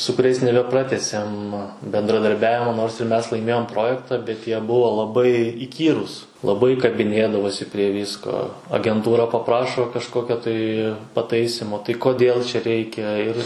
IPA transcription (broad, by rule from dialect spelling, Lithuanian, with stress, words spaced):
sʊ kʊˈrʲɛɪs nʲɛbʲɛˈprɑːtʲæːsʲeːm bʲɛndrɐdɐrʲˈbʲæːʋʲɪmoː noːrs ɪr ˈmʲɛs lˠɐɪˈmʲeːjoːm ˈproːjɛktɑː bʲɛt jiɛ ˈbʊʋoː lˠɐˈbɐɪ ɪˈkʲiːruːs lˠɐˈbɐɪ kɐbʲɪˈnʲeːdɐʋoːsʲɪ pʲrʲiɛ ˈʋʲiːskoː ɐɡʲɛnˈtuːrɐ pɐˈprɑːʃoː kɐʃˈkoːkʲoː tɐɪ pɐˈtɐɪsʲɪmoː tɐɪ koːˈdʲeːlˠ t͡ʃʲɛ ˈrʲɛɪkʲɛ ɪr